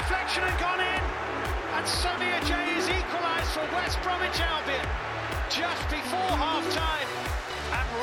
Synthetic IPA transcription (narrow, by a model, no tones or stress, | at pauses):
flɛkʃə̃nɨd̚ɡɒ̃nɪ̃n | ə̃nsʌmiəd͡ʒeɪɪziˑkwəlaɪzd̥fəwɛsb̥ɹɑ̃mɨ̃t͡ʃalˠbiə̃n | d͡ʒʌsb̥ɪfɔɹɦɑftʰãɪ̃m | ə̃n